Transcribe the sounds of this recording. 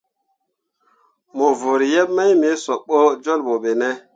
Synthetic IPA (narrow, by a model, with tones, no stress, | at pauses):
mo˨vo˨ɾi˨jɛ˦p̚ma˦jme˨˦sɔ˨ɓo˦d͡ʒo˦lɓo˨ɓe˨nɛ˦